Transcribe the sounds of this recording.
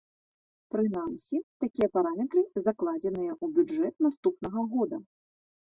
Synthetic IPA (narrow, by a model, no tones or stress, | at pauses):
pɾɨnamsʲit̪akʲijɐpaɾamʲɛt̪ɾɨzaklˠad͡zʲɛnɨjɐʔubʲud͡ʐɛt̪̚nast̪upnɐɣɐɣɔd̪ɐ